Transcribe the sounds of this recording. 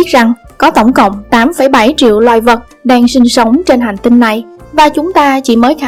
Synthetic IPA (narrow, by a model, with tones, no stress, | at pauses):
i˦˥t̚za˨˩ŋkɔ˨˦t̪ə˧˩wŋ͡mkə̰˧˨wŋ͡mt̪aː˨˦mfə˧˩jɓa˧˩jt͡ɕḭ˧˨əwlwa̰ː˧˨jvə˨˩t̚ | ɗaː˧ŋsï˧ŋ̟sə˨˦wŋ͡mt͡ɕe˧nɦaː˨˩ŋ̟t̪i˧nːa˨˩jvaː˨˩t͡ɕʊ˨˦ŋ͡mt̪aː˧t͡ɕḭ˧˩məː˨˦jxa˧